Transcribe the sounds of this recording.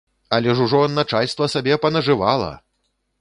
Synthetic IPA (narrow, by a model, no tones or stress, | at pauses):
ɐlʲɛʐuʐɔnːat͡ʂalʲst̪vɐsabʲɛpɐnɐʐɨvalˠɐ̰